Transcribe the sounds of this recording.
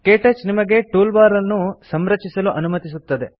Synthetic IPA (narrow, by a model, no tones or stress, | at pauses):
keːʈɐt͡ʃnimɐɡe̞ʈuːlbaːɾɐlnusɐmɾɐt͡ʃisɐluʔɐnumɐt̪isut̪ːɐd̪e̞